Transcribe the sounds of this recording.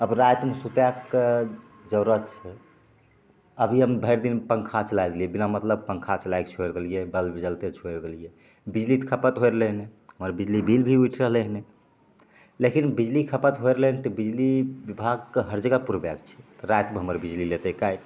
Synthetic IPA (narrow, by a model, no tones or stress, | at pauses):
əbɾajt̪mesut̪akːe | d͡ʒəʊɾət͡ʃʰɛ | əbʱiɦəmbʱəɪɾd̪inpəŋkʰat͡ʃəlajd̪elijebinamət̪ləb̚pəŋkʰat͡ʃəlajkt͡ʃʰoeɾd̪elijebəlbid͡ʒəlt̪et͡ʃʰoɾd̪elije | bid͡ʒlit̪kʰəpət̪ɦojɾleɦneɦəməɾbid͡ʒlibʱilbʱiujʈʰɾəɦleɦne | lekinbid͡ʒlikʰəpət̪ɦoeɾleɦnet̪ɔbid͡ʒliʋibʱaɡkeɦəɾd͡ʒəɡapuɾbaɡt͡ʃʰɛ̥t̪əɾajt̪meɦəməɾbid͡ʒlilet̪ekaj